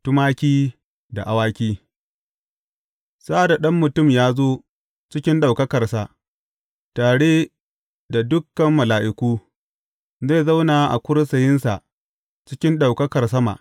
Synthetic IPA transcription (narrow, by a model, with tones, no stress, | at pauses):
tʊ˦maː˦kʲiː˦ | da̰˨ʔa˨waː˦kʲiː˦ | sa˦a˨da˨ɗɐ˦mːʊ˨tʊ˦˨mjaː˦zoː˦ | t͡ʃɪ˦kʲɪ˦nɗa˨wkɐ˦kɐ˨rsa˨ʔ | taː˨ɽe˦ | da˨dʊ˦kːɐ˨mːɐ˨laː˨ʔɪ˨kʷuː˦ | za˦˨za˦wnaː˨˦ʔa̰˨kʷʊ˦ɾsɐ˨jɪ˦nsa˨ʔ | t͡ʃɪ˦kʲɪ˦nɗa˨wkɐ˦kɐ˨rsɐ˦ma̰˨ʔ